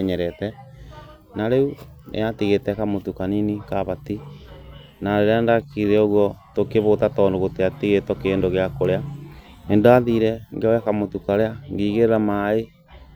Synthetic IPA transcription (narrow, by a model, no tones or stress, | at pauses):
ɲɛɾɛtɛ | naɾeunʔḛatiɣetɛkamotukaninikaβati | naɾeɾeandakiɾɛoɣwɔtokeβotatɔːndoɣoteatiɣetɔkeːndoɣeakoɾea | endoaðiɾɛŋɡeojakamotukaɾeaŋɡiːɣeɾeɾamae